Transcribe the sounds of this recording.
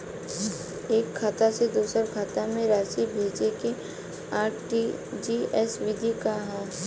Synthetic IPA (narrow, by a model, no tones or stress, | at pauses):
eːkʰːaːt̪ased̪uːsəɾkʰaːt̪amẽɾaːʃibʱeːd͡ʒeke | aːʈʰʈi | d͡ʒiːɛsʋɪd̪ʱikaɦɛ̃ː